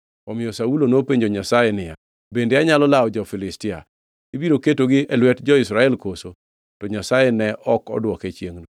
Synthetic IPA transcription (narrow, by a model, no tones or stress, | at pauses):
ɔmɪjɔsaulonopeɲd͡ʒoɲasajenɪja̰ | bendeaɲalɔlaɔd͡ʒɔfɪlɪstɪa̰ | ibiɾoketoɡɪɛlwɛtd͡ʒɔɪsɾaɛlkoso | tɔɲasajenɛʔɔkɔ̰dwɔket͡ʃjeŋnu